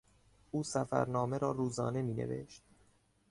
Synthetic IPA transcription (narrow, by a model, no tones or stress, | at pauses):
uːsæfæ̰ɾnɒːme̞ɾɒːɾuːzɒ̰ːne̞miːne̞̰ve̞̰ʃt̪̚